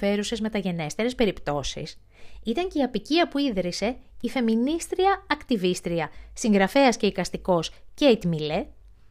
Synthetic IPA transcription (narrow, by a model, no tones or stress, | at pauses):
e̞ɾuse̞zme̞t̪ɐʝe̞ne̞st̪e̞ɾe̞spe̞ɾipt̪o̞sḭs | it̪ɐɲce̞iɐpiciɐpuiðɾise̞ife̞minist̪ɾiɐɐkt̪ivist̪ɾiɐsiŋɡɾɐfe̞ɐsce̞ikɐst̪iko̞sceit̪mile